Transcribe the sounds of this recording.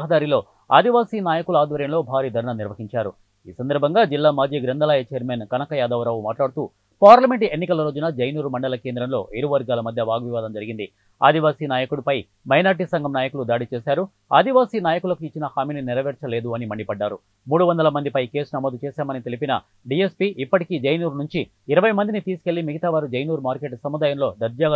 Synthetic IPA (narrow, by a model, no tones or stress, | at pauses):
ɦɐd̪aːɾilo̞ː | a̰ːd̪iʋaːsiːnaːjɐkuluaːd̪ʋɐɾjɐmlo̞ːbʱaːɾiːd̪ʱɐɾɐɳɐniɾʋɐɦiɲt͡ʃaːɾu | iːsɐnd̪ɐɾbʱɐŋɡaːd͡ʒilːaːmaːd͡ʒiːɡɾɐnd̪ɐlaːjɐt͡ʃeːɾmeːnkɐnɐkɐjaːd̪ɐʋɐɾɐːʋumaːʈlaːɽut̪uː | paːɾlɐme̞ɳʈenːikɐlɐɾo̞ːd͡ʒunɐd͡ʒɐjnuːɾumɐɳɖɐlɐke̞ːnd̪ɾɐmlo̞ːʔeɾuʋɐɾɡaːlɐmɐd̪ʱjɐʋaːɡʋiʋaːd̪ɐmd͡ʒɐɾiɡind̪i | a̰ːd̪iʋaːsiːnaːjɐkuɽupɐj | mɐjnaːɾʈ̬isɐŋɡʱɐmnaːjɐkulud̪aːɽit͡ʃɛːsaːɾu | aːd̪iʋaːsiːnaːjɐkulɐkuit͡ʃːinɐhaːmininiɾɐʋɛːɾt͡ʃɐle̞ːd̪uɐnimɐɳɖipɐɖːaːɾu | muːɽuʋɐnd̪ɐlɐmɐnd̪ipɐjke̞ːsunɐmoːd̪ut͡ʃɛːsaːmɐnit̪elipinɐ | ɖie̞spiʔipːɐʈikiːd͡ʒejnuːɾnuɲt͡ʃi | iɾɐʋɐjmɐnd̪init̪iːsi̥ke̞ɭːimiɡɐt̪aːʋaːɾud͡ʒejnuːɾmaːɾke̞ʈsɐmud̪aːjɐmlo̞ːd̪ɐɾd͡ʒaːɡ